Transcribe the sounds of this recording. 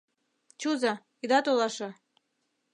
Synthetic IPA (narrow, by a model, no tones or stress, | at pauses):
t͡ɕuzɑ | id̪ɑt̪olˠɑʃɤ̆